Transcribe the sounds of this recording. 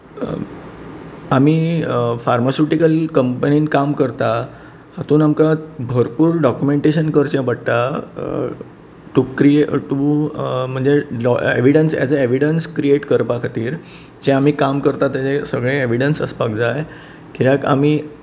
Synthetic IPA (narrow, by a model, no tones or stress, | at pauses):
amiːfaɾmasuʈikəlkəmpəniːnkamkəɾt̪a | hat̪uːnamkabʱəɾpuːɾɖɔkjumeɳʈeɕənkəɾt͡ɕjãbəɽt̪a | ʈ̪ukɾieʈ̪um̤əɳd͡zelɔḛʋiɽənsja̰t͡saeʋiɽənskɾieʈkəɾpakʰat̪iːɾ | d͡ʑeam̤iːkamkəɾt̪at̪jat͡sesəɡɭẽeʋ̤iɽənsəspakd͡zaj | kiɾãka̰mi